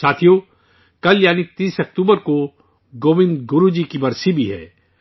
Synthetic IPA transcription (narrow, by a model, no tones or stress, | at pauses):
aːt̪ʰijo | kɐljaːnit̪iːsɐk̚t̪uːbəɾko | ɡoːʋɪ̃nd̪ɡʊɾud͡ʒikibɐɾsibʱiɦɛ̰ː